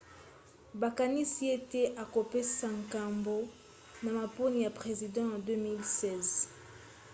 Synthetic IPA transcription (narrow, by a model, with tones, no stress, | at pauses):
ba˨ka˨ni˦si˦e˦te˦ʔa˨ko˨pe˦sa˦˨ŋka˨mbo˦ | na˨ma˨po˦ni˨ja˨pʁe˨zi˨dɑ̃˦ja˨dø˦mi˦lsɛ˦˨z